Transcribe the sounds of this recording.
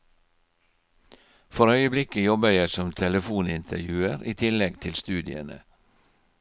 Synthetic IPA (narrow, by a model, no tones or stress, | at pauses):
fɔɾœʏəblɪkəjɔbəjæɪsɔmt̪ʰɛləfuːnɪnt̪ʰə̰ɾjʉːəɾiːt̪ʰɪlɛɡt̪ʰɪlst̪ʉːd̪ɪə̰nə̰